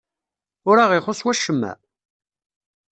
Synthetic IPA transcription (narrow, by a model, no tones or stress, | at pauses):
ʊɾaʁɪχʊsˤwæʃːəmːæ̰